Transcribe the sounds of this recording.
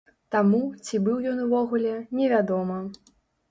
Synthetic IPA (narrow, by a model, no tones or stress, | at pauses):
t̪amut͡sʲibɨwjɔnuvɔɣulʲɛnʲɛvʲad̪ɔmɐ